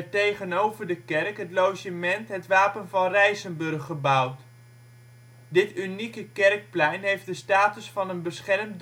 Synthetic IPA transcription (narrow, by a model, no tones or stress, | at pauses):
tejχənowvəɹdəkɛrkɦətlowʒəmɛntɦətʋaːpənvɑnrɛjzənbɵrχəbʌwt | dɪtynikəkɛrk̚plɛjnɦejfdəstaːtəsfɑnənbəsχɛrmd